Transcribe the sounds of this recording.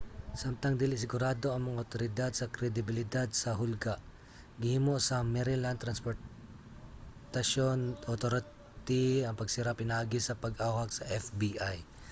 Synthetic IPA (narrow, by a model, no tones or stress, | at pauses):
samt̪ɐŋd̪ɪlɪs̬ɪɡʊɾaːd̪o̞ʔɐŋmɐŋaʔot̪oɾɪd̪ad̪̚sɐkɾɛd̪ɪbɪlɪd̪ad̪̚sɐɦʊlɡaʔ | ɡɪhimoʔsɐmɛɾɪlant̪ɾɐnspoɾ | t̪ɐʃonʔot̪oɾ | t̪iɐŋpɐɡ̚siɾapɪnaːɡɪsɐpɐɡʔaːwɐk̚sɐʔɛfbiʔaj